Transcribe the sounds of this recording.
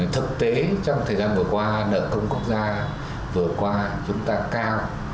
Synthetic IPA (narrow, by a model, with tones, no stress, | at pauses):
t̪ʰɨ˨˩k̚t̪e˨˦t͡ɕɔ˧wŋ͡mt̪ʰəː˨˩jzaː˧nvɨ˨˩əkwaː˧nə̰ː˧˨kə˧wŋ͡mkʊ˦˥k͡p̚zaː˧ | vɨ˨˩əkwaː˧t͡ɕʊ˨˦ŋ͡mt̪aː˧kaː˧w